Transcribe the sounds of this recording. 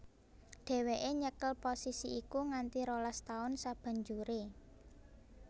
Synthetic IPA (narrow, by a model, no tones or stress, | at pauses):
ɖ̪̥e̤weʔeɲəkəlposisiikuŋant̪iɾolast̪aʊnsab̥ä̤ɲd͡ʒuɾe